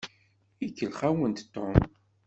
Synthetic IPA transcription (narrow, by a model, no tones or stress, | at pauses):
ikːəlχawənt̪t̪ːom